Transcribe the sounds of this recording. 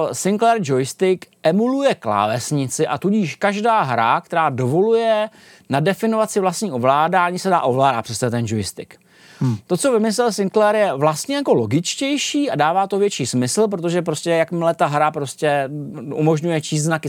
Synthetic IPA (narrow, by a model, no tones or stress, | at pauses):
sɪŋklɛɾd͡ʒojɪst̪ɪkʔɛmulujɛkla̰ːvɛsɲɪt͡sɪʔa̰t̪uɟiːʃkaʒdaːɦɾakt̪ɛɾaːdo̞vo̞lujɛ | nadɛfɪnovat̪sɪvlast̪ɲiːʔo̞vlaːdaːɲiːsɛdaːʔo̞vlaːdat̪pr̥ɛst͡sɛɛt̪ɛnd͡ʒojɪst̪ɪk | t̪o̞t͡so̞vɪmɪs̬lɛlsɪŋklɛɾjɛvlast̪ɲɛjako̞lo̞ɡɪt͡ʃcɛjʃiːadaːvaːt̪ovjɛt͡ʃiːsmɪsl̩p̬ɾot̪o̞ʒɛp̬ɾo̞scɛjakmlɛt̪aɦɾapɾo̞scɛʔṵmo̞ʒɲujɛt͡ʃiːst̪znakɪ